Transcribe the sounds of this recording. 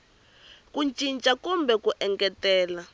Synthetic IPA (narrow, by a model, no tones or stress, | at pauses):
kunt͡ʃʼint͡ʃʼakumbʱɛkuʔɛŋkʼɛtɛːla